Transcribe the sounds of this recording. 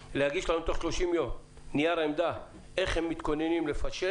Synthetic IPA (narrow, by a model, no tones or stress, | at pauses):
lehaɡiʃlaemt̪o̞χʃlo̞ʃimjo̞m | nijaɾaemd̪a | e̞χhemːit̪ko̞nenimle̞faʃe